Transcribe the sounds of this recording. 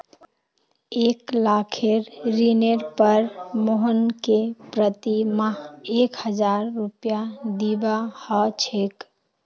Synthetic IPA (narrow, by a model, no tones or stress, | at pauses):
eklakʰeɾɾineɾpəɾmoɦənkepɾət̪imaɦekhəd͡ʒaɾːupjad̪ibahɔt͡ʃʰek